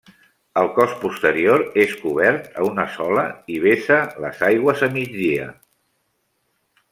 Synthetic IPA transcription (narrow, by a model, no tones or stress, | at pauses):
əlˠkɔspust̪əɾioɾeskuβ̞ɛɾt̪əunəsɔləiβ̞esələ̰zajɣwəzəmid͡zd̪iə̰